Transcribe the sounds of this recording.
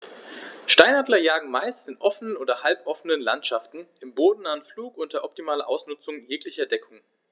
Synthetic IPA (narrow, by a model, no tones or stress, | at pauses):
ʃtaɪnhadlɐjaːɡŋ̩maɪstɪnʔɔfənənʔoːdɐhalp̚ʔɔfənənla̰ntʃaftn̩ʔɪmboːdn̩naːənfluːkʊnt̚d̥ɐʔɔp̚timaːlɐʔaʊsnʊt͡sʊŋjeːklɪçɐdɛkʰʊŋ